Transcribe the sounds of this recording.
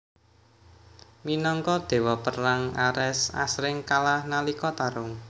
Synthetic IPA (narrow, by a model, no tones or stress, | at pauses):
minɔŋkɔd̪̥e̤wɔpərlaŋaɾɛsa̰sɾɪŋkalahnalikɔt̪aɾʊŋ